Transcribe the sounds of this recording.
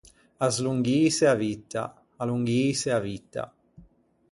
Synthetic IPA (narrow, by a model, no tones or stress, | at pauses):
azluŋɡiːseavit̪ːa̰ | aluŋɡiːseavit̪ːa̰